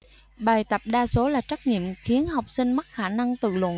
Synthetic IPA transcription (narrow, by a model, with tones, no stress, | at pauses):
ɓaː˨˩jt̪ə˨˩p̚ɗaː˧so˨˦laː˨˩t͡ɕa˦˥k̚ŋḭ˧˨əmxi˨˦ənɦa˨˩wk͡p̚sï˧ŋ̟ma˦˥t̚xaː˧˩na˧ŋt̪ɨ̰˧˨lwə̰˧˨